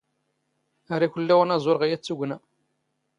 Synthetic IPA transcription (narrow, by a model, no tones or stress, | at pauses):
aɾˤiçəlːæwænæzˤoɾʁæjæt͡sːuɡnæ